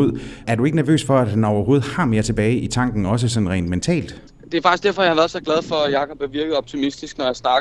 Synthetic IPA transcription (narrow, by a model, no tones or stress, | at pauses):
oð̰ˠæɐd̥ueɡənæɐʋø̰ːsfɒ̽ædhænɒʊɐho̝ːð̞̩ˠhɑ̈me̝ːɐt͡sʰe̝b̥ɛːɪʔit͡sʰɑ̈ŋ̰ɡ̥n̩ɒ̽s̬əsɒ̽nʁɛ̰ːnd̥ment͡sʰɛ̰ːld̥ | d̥e̝æfɑ̈ɡ̥isɡ̥d̥eɐfɒjhɑ̈ʋæɐðˠsɒ̽ɡ̥læð̞ˠfɒ̽jɑ̈ːkʰɒb̥heʋiɐɡ̥ð̞̩ˠɒb̥t͡sʰimisd̥isɡ̥nɒjäsnɑ̈ɡ